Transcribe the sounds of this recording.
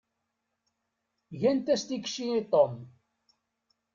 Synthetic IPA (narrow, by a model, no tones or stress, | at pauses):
ʝænt̪æst̪ikʃiit̪ˤom